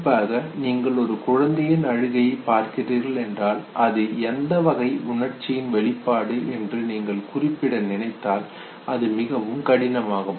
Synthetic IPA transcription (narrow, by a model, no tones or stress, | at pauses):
pːaːɣɐniːŋɡɐɭɔɾɯkʊɻɐnd̪ɐjɪnɐɻɯɣɐjɐɪpːaːɾkɪriːɾɣɐɭɛndraːlʔɐðɯɛnd̪ɐʋɐɣɐɪʊɳɐɾt͡ʃːɪjɪnʋɛɭɪpːaːɽɯɛndrɯniːŋɡɐɭkʊrɪpːɪɽɐnɪnɐɪt̪ːaːl | ʔɐðɯmɪɣɐʋɯmkɐɽɪnɐmaːɣɐ